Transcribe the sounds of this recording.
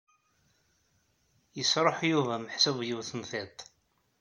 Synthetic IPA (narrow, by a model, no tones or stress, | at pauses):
jəsɾˤoħjuvæmħsuvjiwθənθɪt̪ˤ